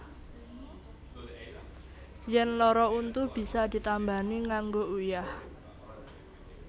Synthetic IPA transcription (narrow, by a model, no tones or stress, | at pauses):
jɛnlɔɾɔunt̪ub̥i̤sad̪̥i̤t̪ambaniŋaŋɡoujah